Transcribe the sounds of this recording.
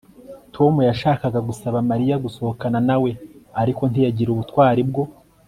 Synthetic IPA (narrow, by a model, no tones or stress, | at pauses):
tʰo̞mujaʃaːkaɡaɡusaβamaɾijaɡuso̞hokananawe̞aɾiko̞ntijaɟiɾuβutwaːɾibɡo̞